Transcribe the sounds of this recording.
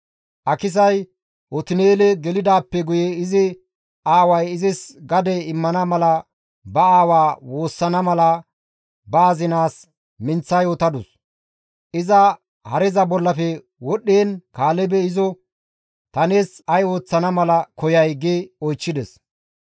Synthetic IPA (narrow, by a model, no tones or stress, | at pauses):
ʔɐkɪs̬ɐj | ʔɔt̪ɪneːlɛɡɛlɪd̪aːpːɛɡʊjɛɪzɪ | aːwɐjɪzɪsɡɐd̪ɛɪmːɐnɐmɐlɐ | bɐaːwaːwo̞ːsːɐnɐmɐlɐ | baːzɪnaːs | mɪnt͡sːɐjɔt̪ɐd̪ʊs | ʔɪzɐ | hɐɾɛzɐbɔlːɐfɛ | wɔɗːeːnkaːlɛbɛɪzɔ | t̪ɐneːsɐjo̞ːt͡sːɐnɐmɐlɐkɔjɐjɡeɔjt͡ʃːɪd̪ɛs